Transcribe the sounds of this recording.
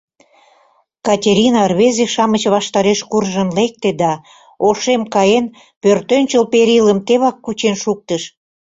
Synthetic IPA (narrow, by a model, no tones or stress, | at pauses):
kɑtʲeɾʲinɑrβezeʃɑmət͡ɕβɑʃt̪ɑɾeʃkurʒənlek̚t̪ed̪ɑ | oʃemkɑjen | pørt̪ønʲt͡ɕəlpeɾiləmt̪eβɑkːut͡ɕenʃuk̚t̪əʃ